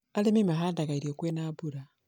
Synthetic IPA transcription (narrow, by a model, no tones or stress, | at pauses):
alemimaɦaːndaɣaiɾiokwenaːbuɾa